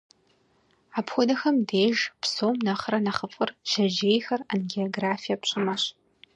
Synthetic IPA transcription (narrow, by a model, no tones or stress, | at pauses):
aːpxʷʊdɐxɐmdeːʒpsoːmnɐχɾɐnɐχəfʼɨrʒɐʒeːjxɐrɐnɡeoɡraːfijɐpɕʼɪmɐɕ